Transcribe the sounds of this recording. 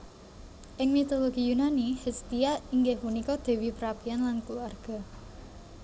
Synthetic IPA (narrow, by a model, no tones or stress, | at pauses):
ʔɪŋmit̪oloɡ̥ijunanihist̪ijaiŋɡɪhmunikɔd̪̥e̤wipəɾapianlankluarɡ̥ɔ̤